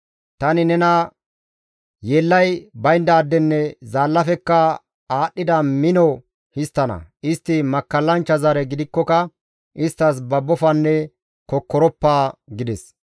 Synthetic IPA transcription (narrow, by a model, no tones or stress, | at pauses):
t̪ɐnɪnɛnɐ | jeːlːɐjbɐjnd̪ɐːd̪ːɛnːɛzaːlːɐfɛkːɐ | aːɗːɪd̪ɐmɪnɔ | hɪst̪ːɐnɐ̰ʔɪst̪ːɪmɐkːɐlːɐnt͡ʃːɐzɐɾɛɡɪd̪ɪkːɔkɐ | ʔɪst̪ːɐs̬bɐbːɔfɐnːɛ | kɔkːɔɾɔpːaːɡɪd̪ɛs